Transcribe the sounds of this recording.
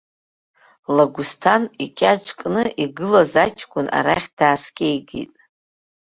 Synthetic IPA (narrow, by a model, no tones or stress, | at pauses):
laɡʷʊstʰanikʲʼat͡ʃʷʰʼkʼnɨʔiɡɨlazat͡ʃʰʼkʷʼʊna̰ɾaχʲd̥aːskʲʼejɡḭtʼ